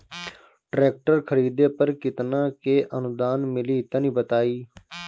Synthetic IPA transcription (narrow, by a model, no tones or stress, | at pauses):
ʈɾeːk̚ʈəɾkʰəɾiːd̪eːpəɾkɪt̪nãːkeːʔənʊd̪aːnmɪliːt̪ə̃nĩːbət̪aːiː